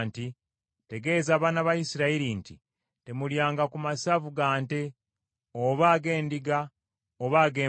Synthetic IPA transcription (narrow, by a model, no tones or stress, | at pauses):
nti | te̞ɡe̞zaβaːnaβajisiɾaiɾinti | te̞muljaːŋɡakumasavuɡaːnte̞ | oβaːɡe̞ːndiɡa | oβaːɡeː